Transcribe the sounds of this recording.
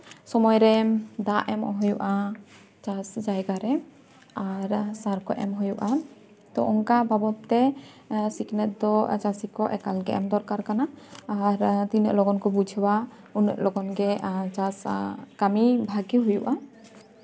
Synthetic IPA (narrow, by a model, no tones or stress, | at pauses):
sɔmɔjɾɛd̪aʔɛmɔ̰ɦɔjuʔa | t͡ʃasd͡ʒajɡaɾɛ | aɾsaɾkɔʔɛ̰mɦɔjuʔa | t̪ɔʔɔŋkababɔt̪ːɛ | siknɛt̪̚d̪ɔt͡ʃasikɔʔɛ̰kalɡɛ̰ʔɛmd̪ɔɾkaɾkanaːɾt̪inə̰ʔlɔɡɔnkɔbud͡ʒʱba | unə̰ʔlɔɡɔnɡɛt͡ʃaskamibʱaɡiɦujuʔa